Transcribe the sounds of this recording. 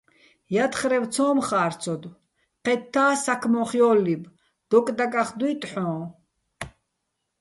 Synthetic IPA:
jat̪χɾɛvt͡sʰɔːmχaːɾt͡sʰɔd̪ | qɛt̪ʰːaːsakʰmɔχjɔːlib | d̪̥ɔkʼd̪akʼaχd̪wuːt̪ʼħɔ̃ː

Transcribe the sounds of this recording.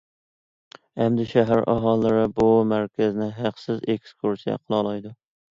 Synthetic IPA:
æmd̪ɪʃæɦæɾʔɑɦɑlˠːɨɾɪbʊmæɾkʲʰæzɪnɪɦæqsɪzekskʰuɾsijɛ̰qʰəlˠɑlˠɑjd̪ʊ

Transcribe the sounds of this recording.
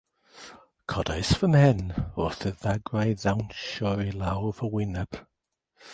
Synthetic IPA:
kʰɔdaɪsfəmɛnɔθəðaɡɹajðawnʃɔɹilawvəwɪnəp

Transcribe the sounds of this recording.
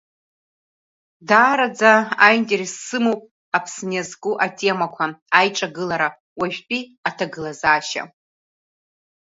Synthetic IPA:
daːɾad͡zaaintʼeresːɨmowpʼ | apʰsnazkʼuʔatʼe̞makʷʰaajʈ͡ʂʼaɡɨlaɾa | waʒᶣʲʷpʼiatʰaɡɨlazaːʃa̰

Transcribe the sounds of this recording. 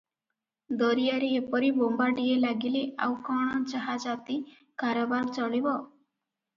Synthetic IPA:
d̪ɔɾijaɾiepɔɾibombaʈielaɡiliʔawkaɽ̃ɔd͡ʒaɦad͡ʒat̪i | kaɾɔbaɾt͡ʃɔɭibɔ

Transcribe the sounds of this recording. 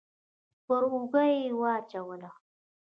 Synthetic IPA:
pəɾuɡajjwɑːt͡ʃawəla

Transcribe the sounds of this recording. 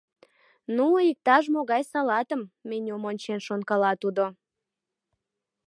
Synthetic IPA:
nuik̚t̪ɑʒmoɣɑjsɑlɑt̪əmːenʲomonʲt͡ɕenʃonkɑlɑt̪ud̪o

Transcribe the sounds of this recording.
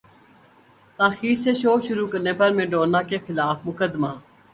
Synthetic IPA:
t̪aːxiːɾseʃoːʃʊɾukəɾneːpɐɾmẽːɖoːnaːkexɪlaːfmʊkəd̪maː

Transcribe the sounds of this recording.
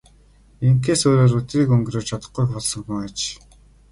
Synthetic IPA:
eŋkeːsoːɾoːɾɵt̪riːkɵŋɡroːt͡ɕʰat̪ə̥̆χɡujxpɔɮsɞ̆ŋxuŋat͡ɕ

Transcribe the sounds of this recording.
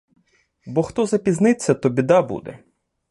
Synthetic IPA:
bɔxt̪ɔzɐpʲiznɪt͡sʲːɐt̪ɔbʲid̪ɑbṵd̪ɛ̰

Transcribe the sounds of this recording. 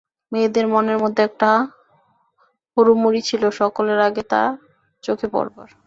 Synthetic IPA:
med̪eɾmoneɾmod̪ʱːeɛk̚ʈa | hoɾumːuɾit͡ɕʰiloʃɔkoleɾaɡet̪a̰ | t͡ɕokʰepɔ̰ɾba̰ɾ

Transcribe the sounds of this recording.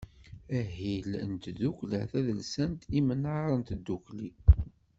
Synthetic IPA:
æɦilnt̪ðuklə̰θæðəlsænt̪imənʕaɾˤənt̪d̪ːukli

